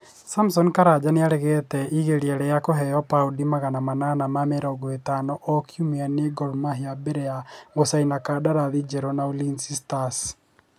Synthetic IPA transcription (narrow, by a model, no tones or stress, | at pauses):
samsɔnkaɾad͡ʒaneaɾɛɣɛtɛiɣeɾiɛɾɛjakoɦɛjɔpaudimaɣanamananamamɛɾɔɡoetanɔʔːkjumianeɡɔɾumaɦiabeɾɛaɣosainakadaɾaðid͡ʒɛɾɔnaulinsistas